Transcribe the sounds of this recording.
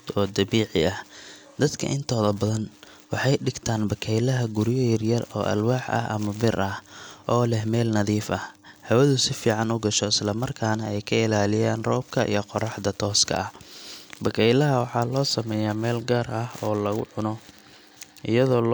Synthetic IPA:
ɔːd̪ɐbiːʕɪɐh | d̪ɐd̪kʰɐ̰ʔɪnt̪ʰɔːðɐbɐðɐn | wɑħɑjɖɪɡt̪ʰaːnbɐkʰɛjlɐɦɐɡʊɾjɔjɐrjɐrɔ̰ːʔɐ̰lwaːħʔɐ̰ɦʔɐ̰mɐbɪrʔɐhʔɔːlɛhmɛːlnɐðiːfʔɐhhɐwɐðʊsɪfiːʕɑnʊɡɐʃɔɪslɐmɐrkʰaːnɐɛjkʰɐɪlaːlɪjaːnrɔːb̚kʰɐʔḭjɞqɔrɑħd̪ɐt̪ʰɔːskʰɐ̰ʔɐhbɐkʰɛjlɐɦɐwɑħɑːlɔːsɐmɛːjamɛːlɡaːrʔɐhɔːlɐɣʊ̰ʕʊnɔ | ʔɪjɐðɔːl

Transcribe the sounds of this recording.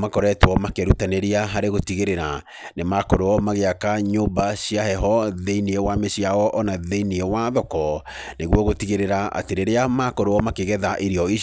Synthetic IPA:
makɔɾɛtwɔmakɛɾutaneɾiaɦaɾeɣotiɣeɾeɾa | nemakoɾoɔmaɣeakaɲoːbaɕiahɛɦɔðeiniewameɕiawɔʔɔnaðeiniewaðɔkɔ | neɣwɔɣotiɣeɾeɾaa̰teɾeɾeamakoɾoɔmakeɣɛðaʔeɾiɔi

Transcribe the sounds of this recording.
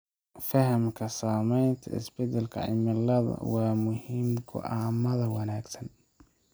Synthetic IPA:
fɐɦɐmkʰɐsaːmɛjnt̪ʰɐ̰ɪ̰sbɛd̪ɛlkʰɐ̰ʕɪmɐlɐðɐ̰wɑːmʊhiːmɡʰɔ̰ʔaːmɐðɐwɐnaːɡsɐn

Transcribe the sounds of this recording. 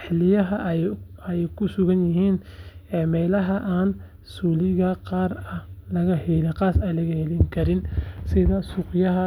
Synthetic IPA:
ħlɪjɐɦɐʔɐjɛjkʰʊsʊɣɐnjɪɦiːnɛːmɛːlɐɦɐʔaːn | suːlɪɣɐqɑːrɐlɐɣɐhɛlɪqɑːsɐjlɐɣɐhɛlɪŋkʰɐɾɪnsɪðɐsʊqjɐɦɐ

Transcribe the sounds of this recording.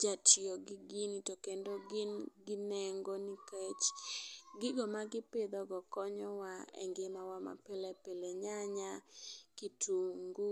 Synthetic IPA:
d͡ʒatɪoɡɪɡɪnitokendoɡɪnɡɪnɛŋɡonikɛt͡ʃ | ɡɪɡɔmaɡɪped̪ɔɡɔkɔɲɔwaɛ̰ŋɡɪmawama̰pelɛpeleɲaɲakitʰuŋɡu

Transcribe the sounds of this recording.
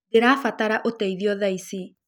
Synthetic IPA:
deɾaːfataɾaʔotaiðiɔðaisi

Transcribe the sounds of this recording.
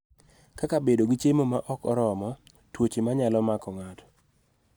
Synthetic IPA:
kakabedoɡit͡ʃemomaʔɔkɔɾɔmɔ | twot͡ʃemaɲalɔmakɔŋatɔ̥

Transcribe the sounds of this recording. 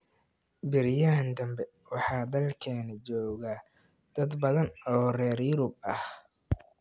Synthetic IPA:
bɪɾjaːnd̪ɐmbɛ | wɑħɑːd̪ɐlkʰɛːnɐt͡ʃɔːɣa | d̪̥ɐd̪bɐðɐnɔːrɛːrjʊɾʊb̚ɐh

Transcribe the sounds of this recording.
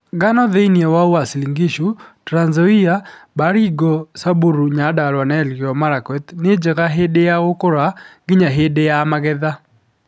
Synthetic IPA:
ɡanɔðeiniewawasliŋɡiʃutɾanzɔiabaɾiɡɔsabuɾuɲadalwanɛlɡɪɔmaɾakɛt̪nɪd͡ʒekaɦedejaʊkʊɾaɡɪɲaɦedejamaɡɛða

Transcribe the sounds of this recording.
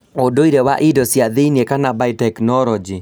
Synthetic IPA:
odoiɾewaʔidɔsiaðeiniekanabaitɛknɔɾɔd͡ʒi

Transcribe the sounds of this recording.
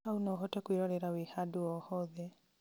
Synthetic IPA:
aunaɦɔtɛkwiɾɔɾɛɾawihaduɔhɔðɛ

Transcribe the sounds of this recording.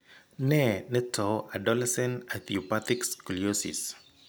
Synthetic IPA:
nɛnɛtɔadɔlɛsɛnat̪iɔpat̪ikskuliosḭs

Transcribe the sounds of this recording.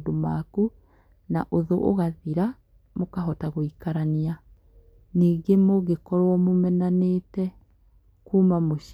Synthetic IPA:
domaku | na̰ʔoðoʔo̰ɣaðiɾa | mokaɦɔtaɣoikaɾania | niːɡemoɣekɔɾwɔmomɛnanetɛ | kuːmamoʃ

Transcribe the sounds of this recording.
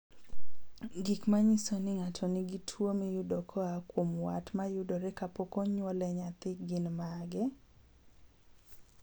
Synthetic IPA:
ɡɪkmaɲisonɪŋatʰɔnɪɡitʰwomijʊdɔkʰɔakwomwatmajʊdɔɾɛkapokoɲwɔlɛɲat̪ɪɡɪnmaɡɛ

